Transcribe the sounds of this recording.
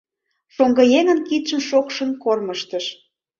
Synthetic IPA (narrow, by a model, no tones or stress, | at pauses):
ʃoŋɡɤjeŋənkit̪ʃə̆mʃokʃə̆nkorməʃt̪əʃ